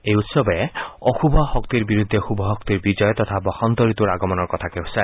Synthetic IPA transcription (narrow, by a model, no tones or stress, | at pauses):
ejut̪sɔbɔeɔxubʱɔhɔk̚t̪iɾbiɾud̪ʱːexubʱɔɦɔk̚t̪iɾbid͡ʒɔjɔt̪ɔt̪ʰabɔxɔnt̪ɔɾit̪uɾaɡɔmɔnɔɹkɔt̪ʰakeɦusae